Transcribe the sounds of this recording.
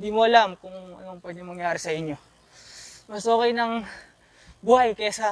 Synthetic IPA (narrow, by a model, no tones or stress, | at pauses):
ɪnd̪iːmoʔɐlamkʊŋɐ̰noŋpɛd̪omɐŋjaːɾɪsɐʔɪɲːo̞ | mɐsʔoːkɐjnɐŋ | buːhajkɐjasɐ